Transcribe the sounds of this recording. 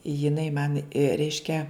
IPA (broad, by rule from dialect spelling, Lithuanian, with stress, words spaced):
jɪˈnɐɪ mɐn ˈrʲɛɪʃʲkʲɛ